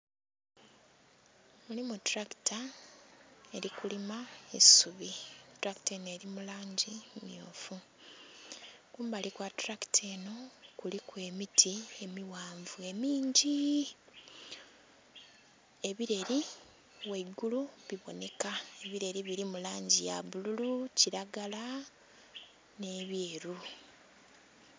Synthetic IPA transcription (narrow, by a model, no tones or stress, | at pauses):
mulimutɾaki̥ta | e̞ɾikulimaesuβitɾaki̥tene̞ːɾimulaːɲɟimjoːfu | kuːmbalikwatɾaktʰeːno̞kulikwe̞ːmitʰie̞miwaːɱvue̞miːɲɟi | e̞βiɾe̞ɾi | weɡuluβiβo̞ne̞kae̞βiɾe̞ɾiβiɾimulaːɲɟija̰βululuciɾaɡala | ne̞ːβjeːɾu